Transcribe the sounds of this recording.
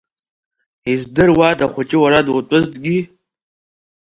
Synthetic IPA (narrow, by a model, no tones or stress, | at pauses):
izdɨrwadaχʷʊt͡ʃʼɪwaɾadʊtʷʼʊztʼɡʲi